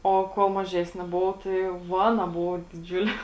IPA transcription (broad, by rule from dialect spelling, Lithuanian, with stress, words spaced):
ˈoː ˈkuɔlˠ mɐˈʒʲæːsʲnʲɪ ˈboːʋɐʊ tɐɪ jɛʊ ˈʋɑːnɐ ˈbʊʋoː dʲɪˈd͡ʒʲʊlʲeː